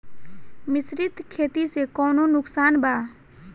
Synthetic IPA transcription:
mɪsɾɪt̪kʰeːt̪isekɔːnonʊksaːnbʱaː

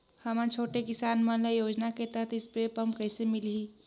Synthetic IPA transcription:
həmãt͡ʃʰoːʈekɪsaːnmənlejoːd͡ʒnaket̪aɦt̪ɪspɾeːpəmpkəɪsemɪlɦi

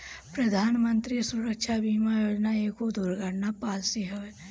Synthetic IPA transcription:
pɾəd̪ʱaːnmə̃nt̪ɾisʊɾəkʃʰabiːmajoːd͡ʒnaeːkod̪ʱuɾɡəɽnapaːlsiɦoe

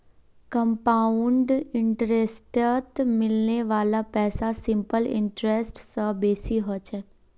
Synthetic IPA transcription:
kəmpaːʊɳɖɪɳʈɾesʈət̪mɪlneʋaːlapɛːsasɪmpəlɪ̰̃ɳʈɾesʈsəbeːsiɦot͡ʃʰɛ

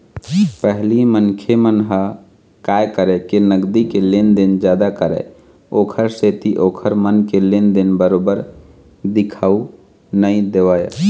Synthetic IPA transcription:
pəɦlimənkʰemənɦə | kajkəɾɛkenəɡd̪ikelend̪end͡ʒjad̪akəɾɛ̰ | okʰəɾset̪iʔokʰəɾmənkelend̪enbəɾobəɾ | d̪ikʰau | nəid̪eʋaj̰

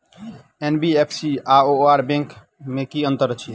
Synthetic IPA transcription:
enbiepʰsiaːoaːɾbẽŋk | mẽkiə̃nt̪əɾət͡ʃʰi

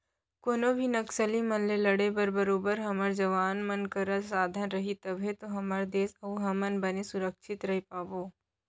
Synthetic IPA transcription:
koːnobʱinɐksəlimɐnlelɐɽebəɾbəɾoːbəɾɦɐməɾd͡ʒɐʋaːnmɐnkəɾəsaːd̪ʱənɾɐɦit̪ɐbʱet̪oɦɐməɾd̪eːsɐuɦɐmənbənesʊɾəkʃɪt̪ɾɐɦepaːboː

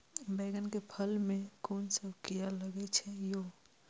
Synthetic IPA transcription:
beɡənkepʰəlmekonsəbʱkijaləɡɛt͡ʃʰɛjo

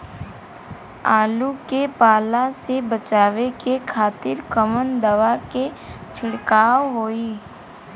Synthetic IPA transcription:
aːlukepaːlasebət͡ʃaːʋekekʰaːt̪ɪɾkəmənd̪əʋaket͡ʃʰɪɽkaːwɦoːiː

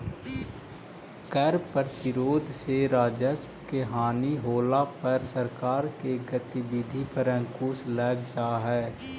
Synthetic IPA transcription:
kəɾpəɾt̪ɪɾoːd̪ʱseɾaːd͡ʒəspkeɦaːniɦoːlapəɾsəɾkaːɾkeɡət̪ibɪd̪ʱipəɾə̃ŋkuːslɛːɡd͡ʒaːɦɛː

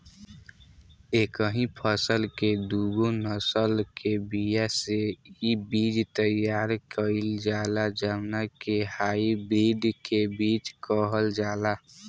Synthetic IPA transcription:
eːkəɦĩpʰəsəlked̪uɡonəsəlkebijaseibiːd͡ʒt̪əjaːɾkəɪld͡ʒaːlad͡ʒamnakehaːibɾiːɖ̪kebiːt͡ʃkəɦəld͡ʒaːla

